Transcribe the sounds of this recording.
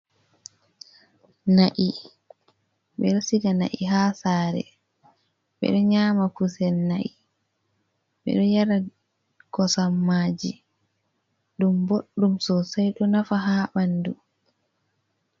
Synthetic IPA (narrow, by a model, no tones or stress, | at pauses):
naʔi | ɓɛɗɔsiɡana̰ʔiɦaːsaːɾɛ̰ | ɓɛ̰ɗɔɲaːmakusɛlnaʔi | ɓɛ̰ɗɔjaɾa | ɡɔsamːaːd͡ʒi | ɗumboɗːumsɔsajɗɔnafaɦaːɓandu